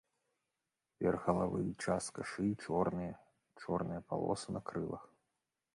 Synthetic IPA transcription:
vʲɛrɣɐlˠavɨjit͡ʂaskaʂɨt͡ʂɔrnɨjɐ | t͡ʂɔrnɨjɐpa̰lˠɔ̰sɨnɐkɾɨlˠɐ̰x

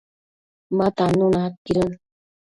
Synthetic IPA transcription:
mat̪anunat̪̚kiɾən

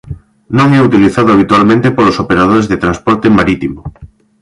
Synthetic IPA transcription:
nõŋɛut̪iliθaðʊaβ̞it̪ualmẽnt̪epolosopeɾað̞oɾezðet̪ɾanspɔɾt̪ɪmaɾit̪imʊ

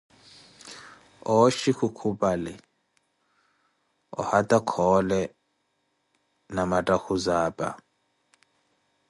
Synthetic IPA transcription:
ɔʃixukʰupʼalɛ | ɔ̰hatʼakʰɔlɛ | namatʼaxuzaːpʼa̰

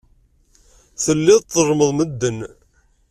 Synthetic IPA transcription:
θəlːɪðˤt̪ˤːərˤməðˤməd̪ːən

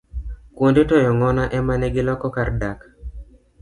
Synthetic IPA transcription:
kwondetɔjɔŋɔnaʔɛmanɛɡɪlɔkɔkardak

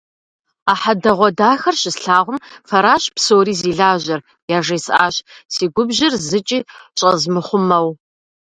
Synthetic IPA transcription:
aːħadɐʁʷɔdaːxɐrɕɪsɬaːʁʷʊmfɐɾaːɕpsoːɾiːziːɮaːʑɐr | jaːʐeːsaːɕsiːɡʷʊbʑɪrzɨt͡ʃʼiːɕʼɐzmɨχʷʊmɐw

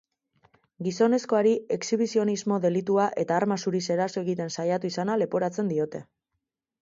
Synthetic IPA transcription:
ɡiso̞ne̞sko̞aɾie̞ksiβ̞isio̞nizmo̞ðe̞lit̪uaʔe̞t̪aːɾmasuɾise̞ɾaso̞e̞ɣit̪e̞nsajat̪uisanale̞po̞ɾat͡se̞nd̪io̞t̪e̞

